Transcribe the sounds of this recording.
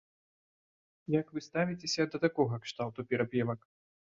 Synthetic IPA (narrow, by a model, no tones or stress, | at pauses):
jɐkvɨst̪avʲit͡sʲesʲɐd̪ɐt̪akɔɣɐkʂt̪awt̪upʲɛɾapʲɛvɐk